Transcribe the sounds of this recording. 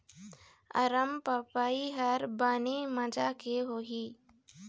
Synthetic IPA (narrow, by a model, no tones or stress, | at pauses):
ə̰ɾəmpəpaiɦəɾbaːneməd͡ʒakeɦoːɦiː